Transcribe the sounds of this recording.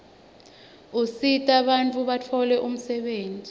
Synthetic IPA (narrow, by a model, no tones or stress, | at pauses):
usitʼaɓant͡fʰʼuɓat͡fʰɔlɛʔum̩sɛɓeːnd͡zʱi